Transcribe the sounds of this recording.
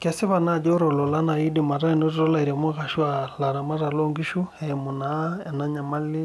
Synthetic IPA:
kɛsi˦βana˦˨d͡ʒɔ˦ɾɔ˨lɔ˨la˦na˨i˦dima˨ɾa˦i˨no˦ɾi˦ɾɔ˦la˨iɾa˨mo˦ɣa˨ʃu˦ala˨ɾa˨ma˦ɾa˨lɔŋɡi˦ʃu˦ɛmu˨na˦ɛna˦ɲa˨ma˦li˦

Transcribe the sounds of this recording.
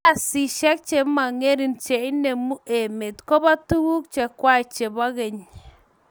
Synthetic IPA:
a˨si˨ʃɛ˦k̚t͡ʃe˨ma˨ŋe˦ɾi˨nt͡ʃe˨i˦ne˨mu˦e˨me˨t̪ko˦ba˦tu˦ɡu˦kt͡ʃɛ˨kwa˦i˨t͡ʃe˨ba˦ɣe˨ɲ

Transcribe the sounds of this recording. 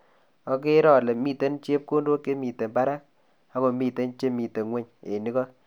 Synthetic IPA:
ɔ˦k̬e˦ɾɔ˦˨le˨mi˨te˦nt͡ʃe˦p̚ko˦ndo˦ke˦mi˨te˨mba˦ɾa˦k̚ | a˦ko˨mi˦˨te˦nt͡ʃe˦mi˨te˨ŋwe˦ɲḛ˨ni˦kɔ˦k

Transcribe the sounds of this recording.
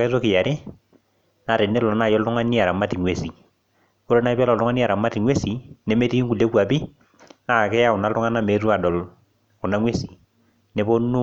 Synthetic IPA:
ka˦s̬o˦kɪ˨ja˨ɾɪ˦ | na˨ɾɪ˨ne˦lɔ˨˦na˦˨jɔ˦ltʊ˦ŋa˦ni˦a˨ɾa˨ma˦ti˨ŋwe˦si˨ | ko˦ɾo˦na˦ɪ˦pɛ˦lɔ˨ltʊ˦ŋa˦ni˦a˨ɾa˨ma˦ti˨ŋwe˦si˨ne˦me˦ti˦i˦ŋku˨le˦kwa˨pi˦ | na˦˨kɛ˦ja˦ʊ˨na˦ltʊ˦ŋa˦na˦me˨˦tu˦a˨dɔ˨l | kʊ˨na˦ŋwe˦si̥˨ | ne˦bo˦nu˦

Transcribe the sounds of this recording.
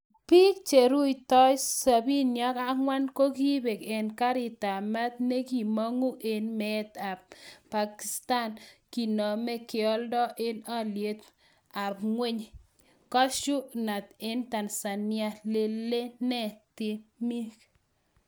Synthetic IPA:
pi˦k̚t͡ʃe˨ɾu˦jt̪ɔ˦jsa˨bi˦nja˦ka˦ŋwa˦nko˦ki˦be˨ke˨nka˦ɾi˨t̪a˨ma˦t̪ne˦ki˨mɔ˦ŋu˦e˨nme˨t̪a˨pa˨ki˨st̪a˦nki˨nɔ˨mɛ˦kjɔ˦ldɔ˦ʔe˦na˦lje˨˦t̪ | a˨pŋwe˦ɲ | kɔ˦ʃu˦na˨t̪e˦nt̪a˨nsa˨nja˦le˦le˦nɛ˦t̪i˦mi˦k

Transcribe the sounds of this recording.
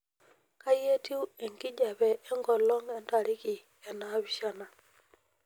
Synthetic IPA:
ka˦je˦ti˦wɛ˨ŋki˦d͡ʒa˨bɛ˨ɛ˦ŋɡɔ˨lɔ˦ŋɛ˨nta˨ɾi˦ki˨ | ɛ˨na˨bi˨ʃa˦na˨

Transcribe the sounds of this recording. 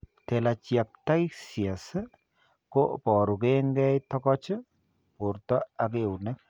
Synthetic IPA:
tɛ˨la˨t͡ʃja˨k̚ta˦jsia˨s | ko˦pɔ˨ɾu˨ke˦ŋɡɛ˦jtɔ˦kɔ˦t͡ʃɪ˦ | pu˨ɾtɔ˦a˨k̬e˨u˨ne˦k̚

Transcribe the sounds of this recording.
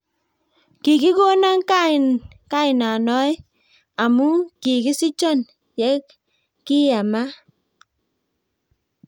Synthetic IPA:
ki˨ki˦ko˦na˦ŋka˦˨n | ka˦ɪ˨na˨nɔ˦j | a˨mu˦ki˨ki˦si˦t͡ʃɔ˦˨n | jɛ˦k | ki˦ja˨ma˦

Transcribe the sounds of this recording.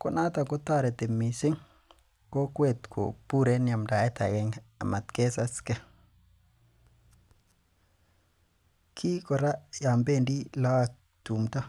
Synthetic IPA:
kɔ˦na˦ta˨kɔ˦ta˦˨ɾɛ˨te˨mi˨sɪ˦ŋ | ko˦kwe˦˨t̪kʰo̰˨pu˦ɾe˦nja˨mda˨ɛ˦ta̰˨ɡɛ˦ŋa̰˨ma˨t̪ke˦sa˦skɛ˦ | kʰi˦kɔ˨ɾa˦ja˨mbe˦˨ndi˦la˦a˨ | tu˨mta˦

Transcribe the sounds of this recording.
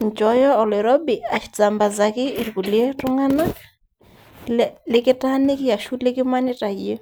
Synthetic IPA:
ɲt͡ʃɔ˨˦jɔ˦ɔ˨lɛ˨ɾɔ˦bɪ˨a˨ʃza˨mba˨za˨kɪ˦ɪ˨rku˨lje˦tʊ˦ŋa˦na˦ | lɪ˦kɪ˦ta˦nɪ˦kɪ˦ja˨ʃu˦lɪ˦kɪ˦ma˦nɪ˦ta˨je˦

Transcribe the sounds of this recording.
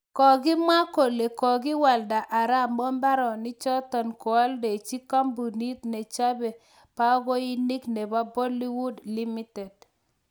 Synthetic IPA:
kɔ˨ɡɪ˦ma˦ko˨le˨kɔ˨ɡɪ˦wa˨lda˨ʔa˨ɾa˦˨mɔ˦mba˦ɾɔ˨nɪ˦t͡ʃɔ˦tɔ˨nkɔ˨a˦lde˨t͡ʃi˦ka˦mbu˨ni˦t̪ne˨t͡ʃa˦be˨ | pa˦ɡɔ˦i˦ni˦kne˨ba˦bo˦li˦wu˦dli˦mi˦te˨d

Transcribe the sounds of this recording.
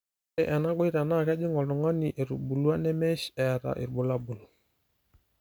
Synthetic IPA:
ɛ˨ʔɛ˨na˦ɡwi˦ɾa˨na˦˨ka˦d͡ʒi˦ŋɔ˨lnɔ˨ŋa˦ni˨ʔe˨ɾu˨bu˨lu˦a˦nɛ˦mɛ˦ʃɛ˨ɾa̰˨ʔḭ˨ɾbu˨la˦bu˨n˨

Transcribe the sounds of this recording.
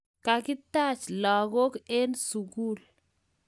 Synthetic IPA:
ka˨kɪ˦ta˦˨t͡ʃlɔ˨ɣo˦ke˦nsu˨ɡu˦l

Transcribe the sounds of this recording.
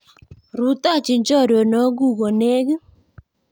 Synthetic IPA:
ɾu˨˦ta˦˨t͡ʃi˨ɲd͡ʒɔ˦˨ɾɔ˨nɔ˨˦ɡu˦˨ɣo˨ne˦ɣ

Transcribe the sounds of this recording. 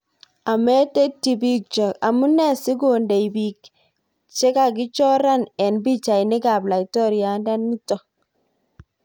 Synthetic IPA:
a˨me˦te˦tːi˨bi˦k̚t͡ʃɔ˨ka˨mu˦nɛ˦˨sɪ˦ɡo˨nde˨jbi˨k | t͡ʃe˦ka˨ɡɪ˦t͡ʃɔ˦ɾa˦nɛ˨nbi˦t͡ʃa˨jnɪ˦ɡa˨bla˨itɔ˦ɾja˨nda˦nːi˦tɔ˨

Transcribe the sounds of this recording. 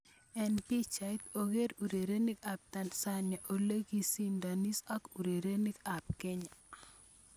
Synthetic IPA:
ɛ˨npi˦t͡ʃa˨jt̪o˨ɡe˦ɾu˨ɾe˨ɾe˦ni˦ka˨p̚t̪a˨nsa˦na˨ʔo˨le˦ɡi˦si˦nda˨ni˦sa˦ku˨ɾe˨ɾe˦ni˦ka˨pke˦ɲa˨

